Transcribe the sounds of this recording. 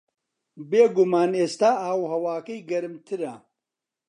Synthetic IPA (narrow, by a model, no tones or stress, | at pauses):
beːɡumaːneːst̪aːaːwhɐwaːkɐjɡɐɾɨmt̪ʰɨɾɐ